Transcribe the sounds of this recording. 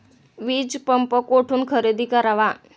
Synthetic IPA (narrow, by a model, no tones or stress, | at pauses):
ʋiːd͡zpəmpəkoʈʰuːnkʰəɾed̪ʱiːkəɾaʋa